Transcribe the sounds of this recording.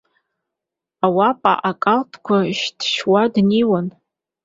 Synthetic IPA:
awapʼa̰ʔakʼaltʰkʷʰaʃtʰʃwadniwan

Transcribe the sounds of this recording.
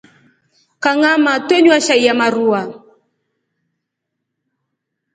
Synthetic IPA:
kaŋamatwɛɲwaʃaijamaɾua

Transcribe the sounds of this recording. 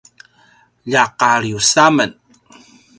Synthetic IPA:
ʎaqaɾijusamən

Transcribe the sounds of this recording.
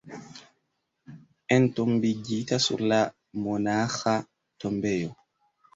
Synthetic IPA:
ʔɛntɔmbiɡitasṵɾla | mɔnaxa | tɔmbɛjɔ

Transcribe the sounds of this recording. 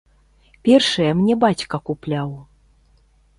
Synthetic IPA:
pʲɛrʂɐjɐmnʲɛbat͡sʲkɐkuplʲaw

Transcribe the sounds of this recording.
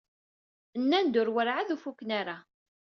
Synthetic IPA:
ənːænd̪ʊɾwəɾʕaðufukːnaɾa

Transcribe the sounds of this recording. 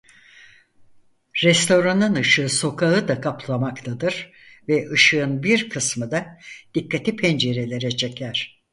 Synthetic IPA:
ɾɛst̪ʰo̞ɾanɯnɯʃɯːso̞kʰaɯd̪akʰapʰlˠamakt̪ʰad̪ɯɾ | vɛʔɯʃɯɯnbiɾkʰɯsmɯd̪ad̪̥ikːat̪ʰipʰɛnd͡ʒe̞ɾe̞lʲe̞ɾɛt͡ʃʰe̞cʰæɾ̝̥

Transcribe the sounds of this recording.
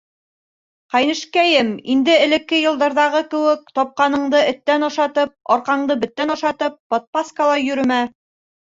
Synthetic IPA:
qɑjnɘ̆ʃkæjɘmind̪ɘɘ̆lɘ̆kːɘjɤ̆lˠd̪ɤ̆ɾðɑʁɤkɘ̆wɘk̚t̪ɒp̚qɑnɤ̆ɴd̪ɤʔɘ̆t̪ːænŏʃɑt̪ɤp̚ɒɾqɑɴd̪ɤbɘ̆t̪ːænŏʃɑt̪ɤp̚ːot̪̚paskalˠɑjɵ̆ɾɘ̆mæ

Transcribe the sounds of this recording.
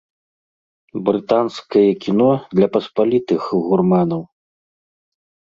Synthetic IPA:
bɾɨt̪anskɐjɐkʲin̪ɔd̪lʲɐpɐspalʲit̪ɨxɣurmanɐw

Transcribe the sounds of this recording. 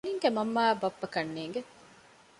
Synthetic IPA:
niŋɡemɐmːaːbɐpːɐkɐnːeːŋɡe

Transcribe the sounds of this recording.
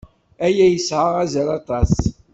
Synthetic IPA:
æjæjəsʕaʁæzæɾɑt̪ˤɑs

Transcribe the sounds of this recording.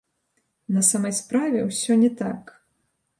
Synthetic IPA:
nɐsamɐjspɾavʲɛwsʲɔnʲɛt̪ak

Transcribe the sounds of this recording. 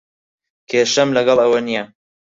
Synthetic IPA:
kʰeːʃɐmlɐɡɐlˠɐwɐnijɐ

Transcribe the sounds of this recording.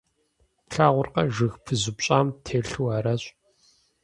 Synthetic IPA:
ɬaːʁʷʊrqɐʒɨxpʰɨzɪpɕʼaːmtʰeːɬɨwaːɾɐɕʼ

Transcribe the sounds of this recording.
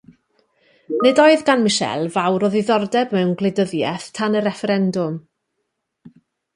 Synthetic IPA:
nɪdɔɨðɡanmɪʃɛ̰lˠvawɾɔðiðɔrdɛbmɛwnɡlˠɪdəðjɛθtʰanəɾɛfɛɾɛndʊm

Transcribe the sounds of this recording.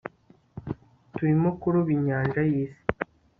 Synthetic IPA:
tuimokuɾuβiɲaːnʒajiːsi̥

